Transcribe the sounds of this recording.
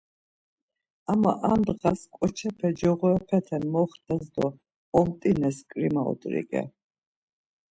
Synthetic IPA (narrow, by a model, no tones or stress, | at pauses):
amaʔand̪ʁaskʼɔt͡ʃʰɛpʰɛd͡ʒɔʁɔɛpʰɛt̪ʰɛnmɔχt̪ʰazd̪ɔ | ɔmt̪ʼinɛskʼɾimaɔ̰d̪ʼɾḭkʼɛ̰